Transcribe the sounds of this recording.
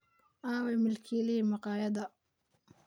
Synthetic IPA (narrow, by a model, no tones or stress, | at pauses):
ʔaːwɛmɪlkʰiːlɪimɐqɑːjɐðɐ